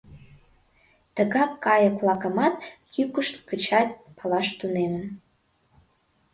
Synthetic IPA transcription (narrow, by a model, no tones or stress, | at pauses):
t̪əɣɑkːɑjəkvlɑkə̆mɑt̪jykəʃt̪kət͡ɕɑt̪̚ʲpʰəlɑʃt̪unemən